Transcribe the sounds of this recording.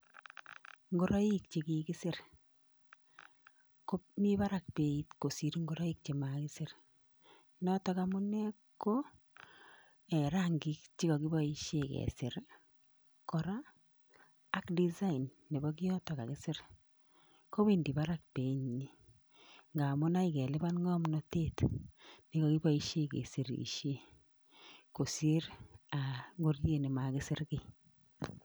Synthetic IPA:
ŋɡo˦ɾɔ˦i˦kt͡ʃe˨kikɪ˦sɪ˦ɾ | ko˦mi˦βa˦ɾa˦k̚pe˨i˦tko˨si˨ɾi˦ŋɡo˦ɾa˦i˦k̚t͡ʃe˨makɪ˦sɪ˦ɾ | nɔ˦tɔ˦kamu˦nɛ˦ | kːo˦ | ɛ˨ɾa˦ŋɡi˦kt͡ʃi˦kɔ˨ki˦bɔ˦i˦ʃekɛ̰˨sɪ˨ɾ | kɔ˨ɾa˦ | kdi˦za˦i˨nːe˨bɔ˦k̬i˦ɔ˦tɔ˨ka˨kɪ˦sɪ˦ɾ | ko˦be˦ndi˨ba˦ɾa˦k̚pe˨ɲi˦ | ŋɡa˨mʊ˦na˦ikɛ˨lɪ˦ba˦nŋɔ˦mnɔ˦te˦tni˦kɔ˨ki˦bɔ˦i˦ʃe˦kḛ˨si˨ɾḭ˨ʃe˦ | ko˨se˦ɾa˨ŋɡo˦rdje˦nɪ˨ma˨kɪ˦sɪ˦ɾkɪ˦

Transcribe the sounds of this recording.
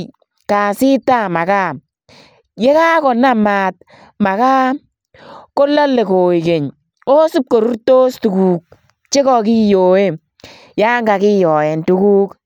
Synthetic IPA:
ka˨sɪ˦ta˦˨ma˨ka˦˨ | je˦ka˦kɔ˨na˦˨maː˨t̚ | ma˨ka˦ | ko˦la˦le˨ko˨i˨ke˨ɲ | o˦su˦p̚ko˨ɾu˦ɾto˦stu˨kuː˨k̚ | t͡ʃe˦kɔ˦˨k̬i˦joː˨we˦ | ja˦ŋɡa˨ki˦jɔː˨jɛ˨ntu˦kuː˦k

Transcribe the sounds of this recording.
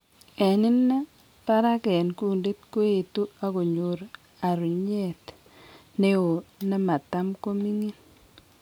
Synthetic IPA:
ɛ˨nɪ˦nːɛ˦ | pa˦ɾa˦kɛ˨nku˦˨nde˦tko˦e˨tu˦a˦ko˨ɲo˨ɾ | a˨ɾu˨ɲe˦˨t | ne˦o˨nɛ˦ma˨ta˦mko˦mi˦ŋi˦n

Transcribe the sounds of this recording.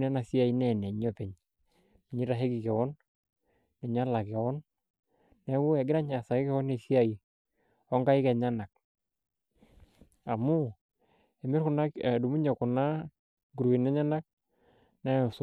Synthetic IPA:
nɛ˦na˨si˦a˨i˨nɛ˦˨nɛ˨ɲɔ˦pɛ˨ɲ | mɪ˨ɲɪ˦ɾa˨ɦɛ˦ki˨kɛ˨wɔ˦nː | ɛ˨ɲa˦la˨kɛ˨wɔ˦nː | ɛ˨˦wʊ˦ɛ˨ɡɪ˦na˦ɲa˨sa˨kɪ˦kɛ˦wɔ˦ne˨si˦a˨i˨ | ɔ˦ŋɡa˦ɪ˦kɛ˨ɲa˦na˨k̚ | a˨mʊ˦ | ɛ˨mɪ˦rkʊ˨na˦kdu˨mu˦ɲɔ˨kʊ˨na˦ | ɡu˨ɾwe˨nɛ˦ɲa˦na˦k̚ | nɛ˦˨s

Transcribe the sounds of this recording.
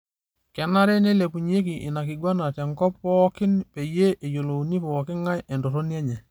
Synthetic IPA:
kɛ˨na˦ɾɛ˦ne˦le˨pu˨ɲe˦k̬i˨ʔɪ˨na˨kɪ˨ɡwa˦na˨tɛ˨ŋkɔ˦ppɔ˦kɪ˦npe˨je˦ʔe˨jo˨lo˨u˨ni˦pɔː˨kɪ˦ŋa˦jɛ˨ndo˨ɾo˦njɛ˦ɲɛ˨

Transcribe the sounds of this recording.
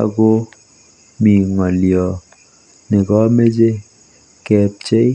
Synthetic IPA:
a̰˨ɡo˦ | mi˨ŋɔ˨ljɔ˨ | ne˨kɔ˦me˦d͡ʒe˦ | kɛ˨p̚t͡ʃe˦

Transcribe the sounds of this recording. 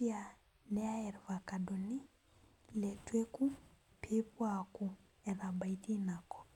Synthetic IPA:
i˦a˨ | nɛ˦a˦ɛ˨ɾva˨ka˨do˨ni˦ | lɛ˨twe˦ku˦ | pʰi˦pwaku˨ | ɛ˨ɾa˨mba˨iti˦na˨kɔ̥˨

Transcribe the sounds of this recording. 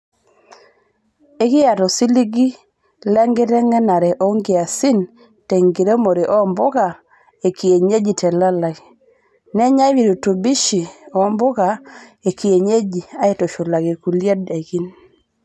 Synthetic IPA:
e˦kɪ˦ja˨tɔ˨si˦li˦ɡi˦ | lɛ˦ŋɡɪ˦ɾɛ˦ŋɛ˦na˨ɾɛ˨ʔo˦ŋɡɪ˨a˨si˦n | te˨ŋɡi˨ɾe˦mo˨ɾe˨ʔɔ˦mbʊ˦ka˨ | e˨ki˨e˨ɲe˦d͡ʒi˨tʰɛ˨la˦la˨i˨ | nɛ˦ɲa˦wi˨ɾu˨tu˨bi˦ʃi˨ɔ˨˦mbʊ˦ka˨e˨ki˨e˨ɲe˦d͡ʒi˨a˦e˦˨tɔ˨ʃo˨la˨ɡe˨ku˨lje˦de˨ki˦n

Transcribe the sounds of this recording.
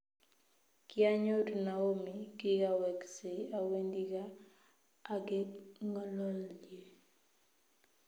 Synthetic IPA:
kɪa˦ɲo˦dna˨o˦mi˨kɪ˦ɡa˦wɛ˨kse˨a˦we˦ndi˦ɡaː˦ | ɡɪŋɔ˦lɔ˦ld͡ʒje˨

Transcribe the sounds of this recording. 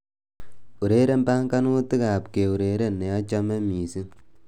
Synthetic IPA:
u˨ɾe˦ɾe˦mbaː˦ŋka˦nuː˦ti˦ka˨pke˨u˨ɾeː˨ɾe˦ne˨a˦t͡ʃa˦mɛ˦miː˨si˦

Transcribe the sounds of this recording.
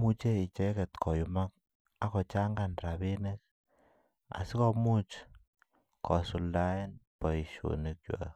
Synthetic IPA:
mu˦t͡ʃe˦i˨t͡ʃɛ˦kɛ˨t̪kʰɔ˨ju˨ma˦k̚ | a˨˦kɔ˨t͡ʃa˦ŋɡa˨nɾa˨be˦nɛ˦k̚ | a̰˨si˦kɔ˦mu˦t͡ʃ | kʰɔ˨su˨lda˦e˦npɔ˨i˨ʃo̰˨ni˨k̚t͡ʃwa̰˨

